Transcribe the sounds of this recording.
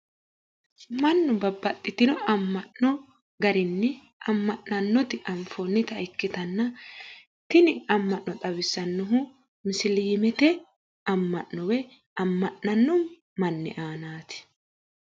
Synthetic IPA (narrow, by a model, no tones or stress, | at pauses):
mɐnːʊbɐbːɐt̪ʼːɪt̪ɪnɔɐmːɐʔɔ | ɡɐɾɪnːɛ | ɐmːɐʔnɐnːɔt̪ɪʔɐɱfonːɪt̪ɐɪkːɪt̪ɐnːɐ | t̪ɪnɪɐmːɐʔːɔt̪ʼɐwɪsːɐnːʊɦʊ | mɪsɪliːmɛt̪ɛ | ɐmːɐʔnɔwɛ | ɐmːɐʔːɐnːʊmː | ɐnːɪ̰ʔaːnaːt̪ɪ̥